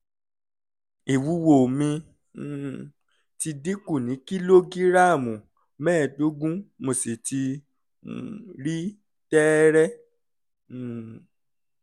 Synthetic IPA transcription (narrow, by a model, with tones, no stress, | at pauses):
e˨wu˨˦wo˨mĩ˧˦˨ | ti˧di˦ku˦˨nĩ˨˦ki˦lo˦ɡi˦ɾa˦˨mũ˨ | mɛ̃ː˦˨do˦ɡũ˦mo˨se˨ti˧˨ | ɾi˦ | tɛ˦ɾɛ˦˨